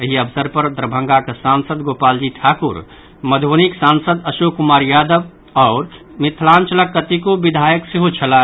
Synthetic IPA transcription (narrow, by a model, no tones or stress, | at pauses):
əɦiəbsəɾpəɾd̪ɾəbʱə̃ŋɡaksaːnsəd̪ɡoːpaːld͡ʒiʈʰaːkuɾ | məd̪ʱoniksaːnsəd̪ɐʃoːkʊmaːɾjaːd̪əb | ɔːɾ | mɪt̪ʰlaːnt͡ʃələkːət̪ikobɪd̪ʱaːjəksiɦot͡ʃʰəlaː